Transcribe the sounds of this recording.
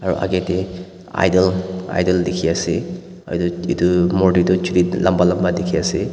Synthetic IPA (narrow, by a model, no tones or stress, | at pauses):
aɾṵʔa̰ɡete | a̰jdɔla̰jdɔldekʰiase | aduidumɔdidɔt͡ʃuɾilʔambalambadekʰiase